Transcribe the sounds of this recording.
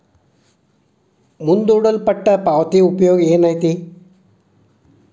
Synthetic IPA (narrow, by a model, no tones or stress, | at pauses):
mund̪uɽəlpɐʈːɐpaʋt̪iupjoːɡeːnaɦt̪iː